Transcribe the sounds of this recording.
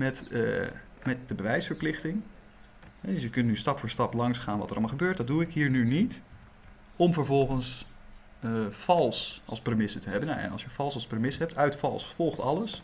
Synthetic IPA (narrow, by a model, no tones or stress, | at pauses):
mɛt | mɛt̚dəbəʋɛjsfəɹplɪχtɪŋ | ɦɛdsjəkɵntnystɑpfʊːɹstɑplɑŋsχaːnʋɑ̰təɾɑ̰lmalχəbøːɹtdɑd̚duɪkɦiːɹnynit | ɔmvəɹvɔlˠχəns | fɑlˠsɑ̰lˠsprəmɪsətəɦɛbəna̰ɛ̰nɑ̰lˠsjəv̥ɑlˠsɑlˠsprəmɪsəɦɛp̚tʰœɥtfɑ̰lˠsfɔlˠχtɑ̰ləs